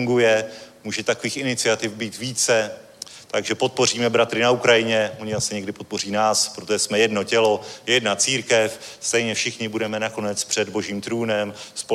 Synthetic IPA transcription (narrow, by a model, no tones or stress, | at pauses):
ŋɡujɛmuːʒɛt̪akoviːxɪnɪt͡sɪat̪ɪfbiːt̪viːt͡sɛ | t̪aɡʒɛpo̞t̪̚po̞riːmɛbɾat̪ɾɪnaukɾajɪɲɛmoɲɪasɛɲɛɡdɪpot̪̚po̞r̝iːnaːspɾot̪oʒɛsmɛjɛdno̞cɛlo̞jɛdnat͡siːɾkɛfst̪ɛjɲɛfʃɪxɲɪbudɛmɛnako̞nɛt͡spr̝̥ɛdbo̞ʒiːmt̪ɾuːnɛmspo